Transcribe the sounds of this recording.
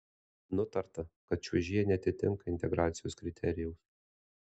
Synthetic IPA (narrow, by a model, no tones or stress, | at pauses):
nʊt̪ɐɾt̪ɐkɐt̪t͡ʃʲuʒʲiːɛnʲɛɐt̪ʲɪt̪ʲɪŋkɐɪnʲt̪ʲɛɡɾaːt̪sʲɪjoːskɾʲɪt̪ʲʰɛɾʲɪjɛʊs